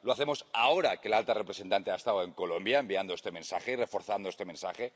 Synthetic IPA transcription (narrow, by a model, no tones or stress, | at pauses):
loaθe̞mosaoɾakelalt̪arepɾesent̪ant̪eaest̪aweŋkolo̞mbjaembiand̪oest̪e̞mẽ̞nsaxeirefo̞ɾθand̪oe̞st̪e̞mensaxe